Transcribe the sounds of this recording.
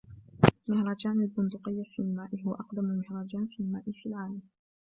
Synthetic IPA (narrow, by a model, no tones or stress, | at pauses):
mɪhɾˤɑːd͡ʒaːnalbʊnd̪ʊqɪjːasinɪmaːʔɪɦʊwaʔɑqd̪amʊlmɪhɾˤɑːd͡ʒaːnsɪnɪmaːʔɪfiːlʕaːlam